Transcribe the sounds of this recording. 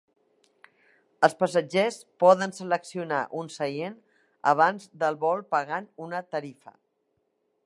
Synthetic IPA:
əlˠspəsəd͡ʒespɔðənsələksiunaʔunsəjen | ə̰βanzd̪əlˠβɔlˠpəɣanunət̪əɾifə̰

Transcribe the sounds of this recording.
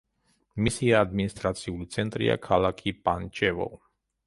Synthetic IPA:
misiaːd̪minist̪ʼɾat̪sʰiulit̪sʰɛnt̪ʼɾḭa̰kʰalakʰipʼant͡ʃʰɛvɔ̰

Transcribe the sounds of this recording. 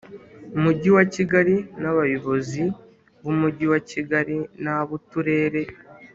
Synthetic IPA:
umuɟiwaciɡaɾinaβajiβo̞zi | βumuɟiwaciɡaɾinaβutuɾe̞ːɾe̞

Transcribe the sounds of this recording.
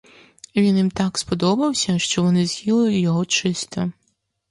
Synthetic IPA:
ʋʲinjimt̪ɑkspɔd̪ɔbɐwsʲɐʃt͡ʃɔʋɔnɪzhʲilˠɪʊjɔɦɔt͡ʃɪst̪ɔ

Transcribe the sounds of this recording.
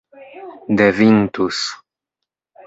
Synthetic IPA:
d̪evint̪us

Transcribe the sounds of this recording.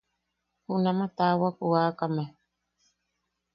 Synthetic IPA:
hunamat̪awakuakame

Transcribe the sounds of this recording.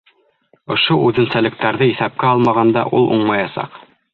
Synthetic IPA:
ŏʃoʔʉðɘ̆nsælɘ̆k̚t̪æɾðɘiθæp̚kæɑlˠmɑʁɑnd̪ɑ̰ʔulˠuɴmɑjɑsɑ̰q

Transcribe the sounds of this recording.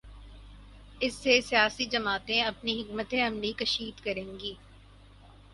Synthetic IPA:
ɪsːesijaːsid͡ʒɐmaːt̪ẽɐpniɦɪkmət̪ẽɐmlikɐʃiːd̪kɐɾẽːŋɡiː

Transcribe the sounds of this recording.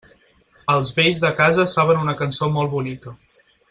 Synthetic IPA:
əlˠzβeʎzðəkazəsaβ̞ənunəkənsomɔlˠβunikə

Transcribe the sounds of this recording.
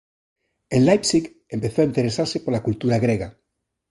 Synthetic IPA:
enlajpsik | empeθoaint̪eɾesaɾsepoɾlakult̪uɾaɣɾeɣa

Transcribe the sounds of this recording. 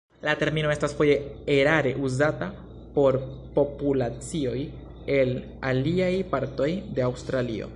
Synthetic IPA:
late̞ɾmino̞e̞stasfo̞je̞eɾaɾe̞̰ʔuzata | po̞ɾpo̞pulat͡sio̞j | e̞l | aliajpaɾto̞jde̞awstɾalio̞̰

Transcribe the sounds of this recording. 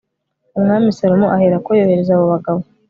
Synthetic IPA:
umŋaːmisaɾomuʔaheɾakojoːheɾezaːβo̞βaɡaβo

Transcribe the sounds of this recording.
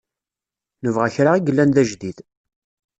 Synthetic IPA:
nəvʁæçɾaiɡəlːænðæʒd̪ið

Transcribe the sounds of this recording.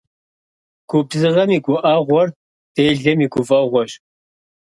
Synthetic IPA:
kʷʰupzɨʁɐmiːkʷʼʊʔaːʁʷɔr | d̥eːɮɐmiːkʷʰʊfɐʁʷɔɕ

